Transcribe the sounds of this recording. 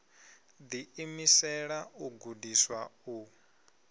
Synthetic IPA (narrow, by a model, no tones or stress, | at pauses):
d̪iimisɛɺauɡudiswau